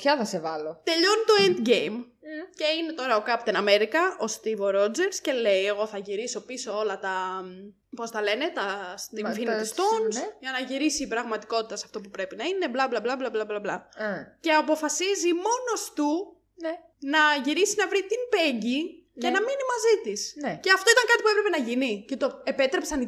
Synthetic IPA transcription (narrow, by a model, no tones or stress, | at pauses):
pçɐθɐsevɐlot̪e̞ʎo̞nit̪o̞end̪ʝejm | ce̞ine̞t̪o̞ɾɐokɐpot̪inɐme̞ɾikɐo̞st̪ivoɾo̞d͡zeɾsce̞le̞je̞ɣoθɐʝiɾiso̞piso̞o̞lɐt̪ɐ | po̞st̪ɐle̞ne̞t̪ɐst̪ifinit̪ist̪onsʝɐnɐʝiɾisiːpɾɐɣmɐt̪iko̞t̪it̪ɐsɐft̪op̬upɾe̞pinɐine̞blɐblɐblɐblɐblɐblɐblɐ̰ce̞ɐpo̞fɐsizimo̞no̞st̪u | nɐʝiɾisinɐvɾit̪impeɲɟi | ce̞nɐminimɐzit̪isceɐft̪o̞it̪ɐŋkɐt̪ipuepɾe̞pe̞nɐʝinicet̪oe̞pet̪ɾe̞psɐni